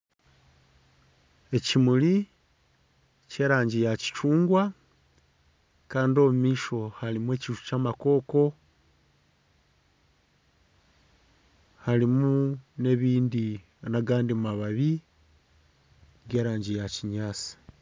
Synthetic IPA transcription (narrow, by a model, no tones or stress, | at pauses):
e̞cimuli | ce̞ːɾaːɲɟijaci̥t͡ʃuːŋɡwa | kaːndio̞mumiːʃo̞halimwe̞ːciʒu̥caːmako̞ːko̞ | halimune̞βiːndi | naɡaːndimaβaβi | ɡe̞ːɾaːɲɟijaciɲaːt͡si̥